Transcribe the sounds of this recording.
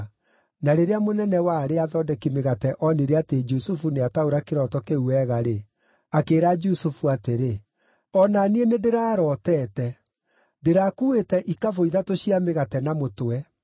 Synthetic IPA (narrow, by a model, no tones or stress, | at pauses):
naɾeɾeamonɛnɛwaːɾeaðɔdɛkimeɣatɛʔɔneɾɛated͡ʒusufuneataoɾakeɾɔtɔkeuɛːɣaɾe | akeːɾad͡ʒusufuateɾe | ɔnanienedeɾaːɾɔtɛːtɛ | deɾakuetɛʔikavoiðatoɕiameɣatɛnamotwɛ